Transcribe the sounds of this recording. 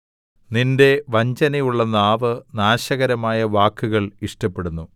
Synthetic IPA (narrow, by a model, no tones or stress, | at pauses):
ninde̞ʋɐɲd͡ʑɐnɐjuɭːɐnaːʋɨnaːɕɐɣɐɾɐmaːjɐʋaːkːuɣɐɭiʂʈɐpːe̞ɽunːu